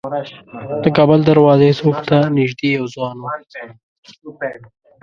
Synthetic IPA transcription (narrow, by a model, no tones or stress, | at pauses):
d̪̥əkɑːbəld̪aɾwɑːzesokt̪anɪʒd̪ejawzwɑːno